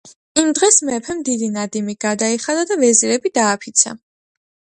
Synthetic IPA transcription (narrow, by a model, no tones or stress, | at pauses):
imd̪ʁɛsmɛpʰɛmd̪id̪inad̪imiɡ̥ad̪aiχad̪ad̪avɛziɾɛbid̪aːpʰit̪sʰa̰